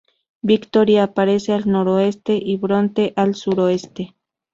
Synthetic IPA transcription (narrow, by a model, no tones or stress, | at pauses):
bikt̪oɾjaːpaɾe̞sealnoɾoest̪eʔiβɾont̪eʔalsuɾoest̪e